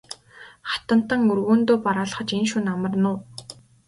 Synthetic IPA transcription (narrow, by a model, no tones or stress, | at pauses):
χḁt̪ə̆n̥t̪ə̆ŋɵrɣuːnt̪oːpaɾaːɮ̆χə̆t͡ɕenʃuːnamə̆rnʊː